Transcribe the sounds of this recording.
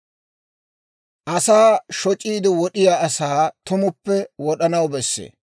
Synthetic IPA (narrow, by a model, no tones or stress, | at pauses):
ʔɐsaːʃɔt͡ʃʼiːd̪ɪwɔɗɪjaːɐsaːt̪ʊmʊpːɛwɔɗɐnɐwbɛsːḛː